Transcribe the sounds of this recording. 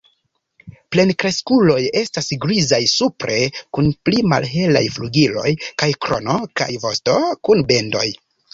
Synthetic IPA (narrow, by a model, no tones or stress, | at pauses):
ple̞nkɾe̞skulo̞je̞stasɡɾizajsupɾʔe̞kunplima̰lɦe̞la̰jfluɡilo̞̰jkajkɾo̞̰no̞ka̰jvo̞sto̞kunbe̞ndo̞̰j